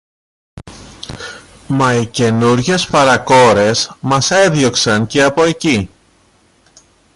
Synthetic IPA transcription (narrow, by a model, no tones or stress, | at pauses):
mɐice̞nuɾʝe̞spɐɾɐko̞ɾe̞smɐse̞ðʝo̞ksɐŋce̞ɐpo̞e̞ci